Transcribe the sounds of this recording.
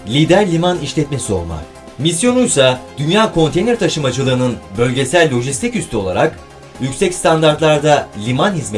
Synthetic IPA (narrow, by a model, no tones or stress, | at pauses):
lʲid̪æɾlʲimaniʃlʲɛt̪me̞sio̞̰lˠma̰ | misjo̞nujsad̪̥ynjaːkʰo̞nt̪e̞jnʲɾt̪ʰaʃɯmad͡ʒɯlˠɯːnɯnbø̞lʲɟe̞sælʲːo̞ʒist̪ʰicyst̪ʰyo̞lˠa̰ɾak | jycsɛcst̪ʰand̪aɾt̪lˠaɾd̪alʲimanhizme